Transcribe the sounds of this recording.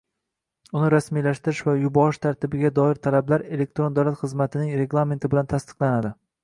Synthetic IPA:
ʊnɪɾasmijlaʃt̪ɪɾɪʃvajʊbɒɾɪʃt̪ʰaɾt̪ʰɪbɪɡʲad̪ɒɪɾt̪ʰalablaɾe̞lek̚t̪ɾond̪awlat̪χɨzmat̪ʰɪnɪŋɾe̞ɡlˠame̞nt̪ʰɪbɪlant̪ʰast̪ɨ̥qlˠanad̪ɪ

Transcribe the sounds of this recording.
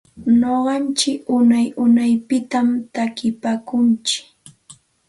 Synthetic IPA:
noɢɑnt͡ʃɪkʊnajʊnajpɪt̪amt̪akɪpaːkʊnt͡ʃɪ̥

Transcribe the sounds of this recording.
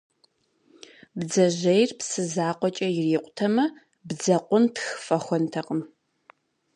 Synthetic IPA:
bd͡zɐʑɐjrpsɨzaːqʷɔt͡ʃʼɐjɪriːqʷʊtʰɐmɐ | bd͡zɐqʷʊntxfɐxʷɔntʰɐqəm

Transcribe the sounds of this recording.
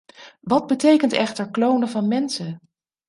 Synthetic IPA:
ʋɑd̚bətejkəntɛχtəɹklownəvɑnmɛnsə

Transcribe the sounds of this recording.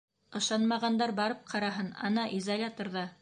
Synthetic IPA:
ɤ̆ʃɑnmɑʁɑnd̪ɑɾbɑɾɤp̚qʰɑɾɑɦɤnɑ̰nɑʔizɐlʲat̪oɾðɑ

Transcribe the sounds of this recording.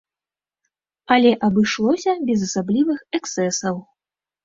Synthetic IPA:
ɐlʲɛʔɐbɨʂlˠɔsʲɐbʲɛzɐsablʲivɨxɛksɛsɐw

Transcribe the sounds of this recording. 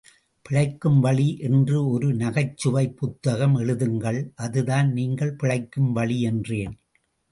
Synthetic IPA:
pɪɻɐɪkːɯmʋɐɭiʔɛndrɯɔɾɯnɐɣɐɪt͡ʃːɯʋɐɪpːʊt̪ːɐɣɐmɛɻɯðɯŋɡɐɭʔɐðɯðaːnniːŋɡɐɭpɪɻɐɪkːɯmʋɐɭiɛndreːn

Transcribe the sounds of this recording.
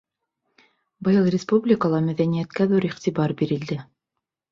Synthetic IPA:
bɤ̆jɤlˠrʲɪspublʲɪkəlˠɑmæðænijæt̪kæðuɾiχt̪ibɑɾbiɾɘ̆ld̪ɘ

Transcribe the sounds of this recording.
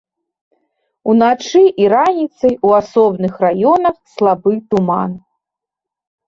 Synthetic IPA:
unat͡ʂɨʔiɾanʲit̪sɐjuasɔbnɨxrajɔnɐxslˠabɨt̪uma̰n

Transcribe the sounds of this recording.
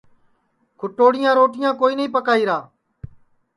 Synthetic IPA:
kʰʊʈːoːɽɪjãːɾoːʈɪjãːkoːiːnəĩːpəkaːiːɾaː

